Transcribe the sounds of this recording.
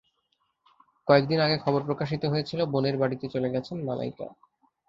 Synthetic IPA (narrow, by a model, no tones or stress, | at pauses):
kɔek̚d̪inaɡekʰɔboɾpɾokaʃ̬it̪oɦojet͡ɕʰiloboneɾbaɽit̪et͡ɕoleɡɛt͡ɕʰenmala̰jka̰